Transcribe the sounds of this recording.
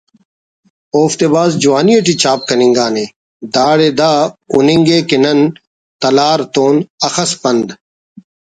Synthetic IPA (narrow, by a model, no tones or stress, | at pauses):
oːft̪eːbaːzd͡ʒuwaːnijɐʈ̬iːt͡ɕaːp̚kɐniŋɡaːneː | d̪aːɽeːd̪aːuniŋɡeːkenɐn | t̪ɐlaːɾt̪oːnɐxɐspɐnd̪